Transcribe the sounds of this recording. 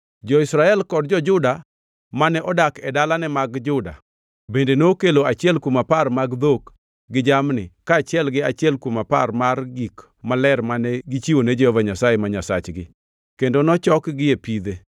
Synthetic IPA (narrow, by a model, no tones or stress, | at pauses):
d͡ʒɔɪsɾaɛlkɔd̚d͡ʒɔd͡ʒʊda | manɛʔɔdakɛdalanɛmaɡd͡ʒʊda̰ | bendenokeloat͡ʃɪɛlkwomaparmaɡd̪ok | ɡɪd͡ʒamnɪkaːt͡ʃɪɛlɡɪat͡ʃɪɛlkwomapa̰rmarɡik | malɛrmanɛɡɪt͡ʃiwoned͡ʒɛhɔvaɲasajemaɲasat͡ʃɡɪ̰ | kendonɔt͡ʃɔkɡɪepid̪e